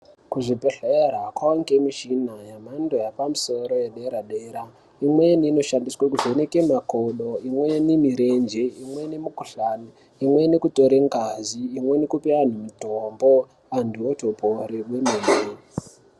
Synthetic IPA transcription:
kuʐipeɬeerakwaoŋɡemiʃinajam̤andojapamusoɾo̞jeɗeɾaɗeːɾa | imweniːno̞ʃandiswakuʐenekemakoɗoimwenemiɾend͡ʒeimwe̞nemukuɬani | imwe̞nekuto̞ɾeŋɡaziːmwe̞nekupian̤umutombo | andʱiotopʰoɾewemeːne

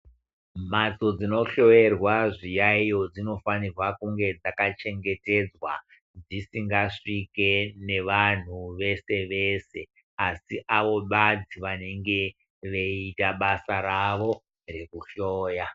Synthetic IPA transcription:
m̤at͡so̞d͡zino̞ɬo̞je̞rwaʐijaijo̞d͡zino̞fanirwakuŋɡe̞d͡zakat͡ʃe̞ŋɡe̞te̞d͡zwa̰ | d͡zisiŋɡaʂike̞ne̞ʋan̤uʋe̞se̞ʋe̞se̞ | asiʔaʋo̞ɓad͡ziʋane̞ŋɡe̞ | ʋeitaɓasaɾaʋo̞ | re̞kuɬo̞ːja

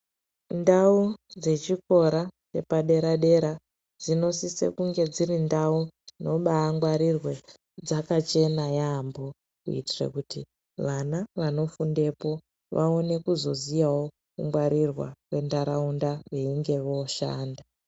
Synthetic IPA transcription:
ndaud͡ze̞t͡ʃiko̞ɾat͡ʃe̞paɗe̞ɾaɗe̞ɾa | d͡zino̞sisḛkuŋɡe̞d͡zirindauno̞ɓaːŋɡwaɾirwe̞ | d͡zakat͡ʃe̞najaːmbo̞ | kuḭtirḛkuti | ʋanaʋano̞funde̞po̞ | ʋaone̞kuzo̞zijawo̞ | kuŋɡwaɾirwa̰re̞ndaɾaundaʋe̞iŋɡe̞ʋoʃa̰ːnda

